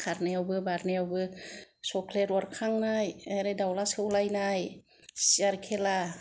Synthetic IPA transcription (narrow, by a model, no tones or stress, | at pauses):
kʰaɾneawbɯbaɾnejawbɯsɔkʰleɾɔɾkʰaŋnajeɾɯdawlasɯwlajnaj | siaɾkʰela